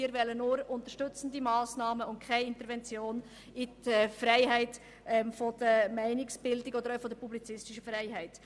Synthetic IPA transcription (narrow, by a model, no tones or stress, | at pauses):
iːɾvɛlːənʊːɾʊntəʃtʏt͡sən̩dimaːsnɑːməʊntkʰaɪɪntəɾvɛnt͡sjoːn | itɛfrɾɛɪhæɪt | ɛmfɔd̥əmæɪnɪksb̥ɪldɪɡɔdəɾœʊfɔdəpublit͡sɪstɪʃəfrɛɪɦæɪt